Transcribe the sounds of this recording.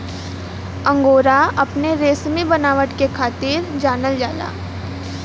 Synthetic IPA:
ə̃ŋɡoːɾaɐpneɾeːsmibɐnaːʋəʈkekʰaːt̪iːɾd͡ʒaːnəld͡ʒaːla̰ː

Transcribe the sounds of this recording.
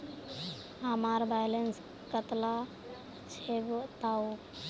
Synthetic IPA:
amaɾbajlens | kət̪la | t͡ʃʰeɡt̪au

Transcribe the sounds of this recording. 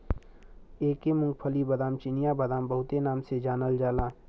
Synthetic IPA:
eːkemʊ̃ŋɡpʰəlibɐd̪aːmt͡ʃɪnijabɐd̪aːmbɐɦʊt̪enaːmsed͡ʒaːnəld͡ʒaːlaː

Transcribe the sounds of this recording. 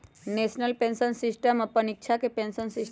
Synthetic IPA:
nesnəlpẽnsənsisʈəməpənik̚t͡ʃʰakepẽnsənsis

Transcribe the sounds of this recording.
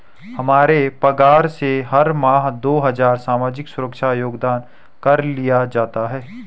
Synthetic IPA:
hɐmaːɾepɐɡaːɾseɦɐɾmaːɦd̪oːɦɐzaːɾsaːmaːd͡ʒɪksʊɾəkʃajoːɡd̪aːn | kɐɾlijad͡ʒaːt̪aɦɛː

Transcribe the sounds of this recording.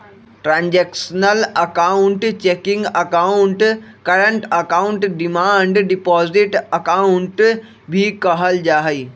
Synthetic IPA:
ʈɾãːɲd͡ʑeːksənəlɐkaːʊɳʈt͡ɕeːkɪ̃ŋɡɐkaːʊɳʈkɐɾə̃ɳʈɐkaːʊ̃ɳʈɖɪmãːɳɖɖɪpɔːzɪʈɐkaʊɳʈ | bʱikɐɦəld͡ʑaːɦiː

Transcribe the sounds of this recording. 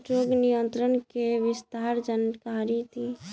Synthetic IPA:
ʈɾoɡnijənt̪ɾənkeʋɪst̪aɾd͡ʒənkaɾit̪ʰi

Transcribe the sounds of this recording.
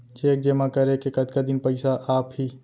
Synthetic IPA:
t͡ʃeːk̚d͡ʒeːmakəɾekekəd̪kad̪inpəɪsaʔaːpɦi

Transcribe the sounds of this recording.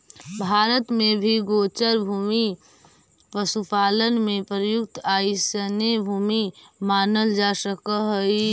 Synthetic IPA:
bʱaːɾət̪mẽbʱiɡoːt͡ʃəɾbʱuːmi | pəsupaːlənmẽpɾəjʊk̚t̪aːisənebʱuːmimaːnəld͡ʒaːsəkəɦəi

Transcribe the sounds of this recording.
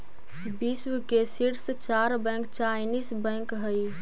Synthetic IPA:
biswkesiɾst͡ʃaɾbɛ̃ŋkt͡ʃaɪnisbə̃ŋkɦəj

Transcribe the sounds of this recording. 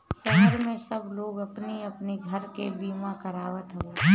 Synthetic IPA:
sɐɦəɾmẽsɐbloːɡɐpniɐpniɡʱəɾkebiːmakəɾaːʋət̪ɦɛoː

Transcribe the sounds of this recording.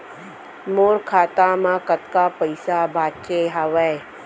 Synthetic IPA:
moːɾkʰaːt̪amãkət̪kapəjsabʱaːt͡ʃeɦaʋɛ

